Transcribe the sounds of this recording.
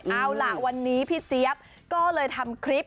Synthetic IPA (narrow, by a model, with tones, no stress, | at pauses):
ʔaː˧wla˨˩wa˧nːiː˦˥pʰiː˥˩t͡ɕi˦˥əp̚ | kɔː˥˩lɤː˧jt̪ʰa˧mkʰɾi˦˥p̚